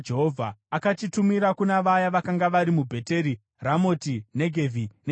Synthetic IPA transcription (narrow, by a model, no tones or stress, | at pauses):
d͡ʒeɦovʱaakat͡ʃitumiɾakunaʋajaʋakaŋɡaʋaɾimubʱe̞te̞ɾi | ramo̞tine̞ɡʱe̞vʱine